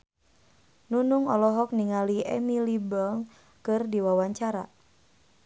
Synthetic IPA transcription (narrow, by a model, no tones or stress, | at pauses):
nunuŋɔlɔɦɔk̚niŋaliɛ̰milibɔŋ | kɨrdiwawaɲt͡ʃaɾa̰